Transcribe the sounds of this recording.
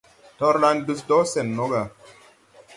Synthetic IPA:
tɔ˦ɾla˦ndɨ˧sdɔ˦sɛ˨nːɔ˦ɡa˨

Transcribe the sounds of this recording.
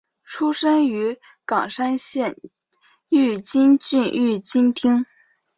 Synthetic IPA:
ʈ͡ʂʰu˥ʂə˥ny˧˥ | kɑ˨˩ŋʂa˥nɕjɛ˥˧n | y˥˩t͡ɕi˥nt͡ɕy˥˧ny˥˩t͡ɕi˥nt̪ʰi˥ŋ

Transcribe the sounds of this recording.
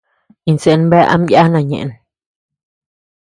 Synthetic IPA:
i˨˧nse˨nmbɛ˦ʔa̰˦mja˦na˨ɲḛ˨n

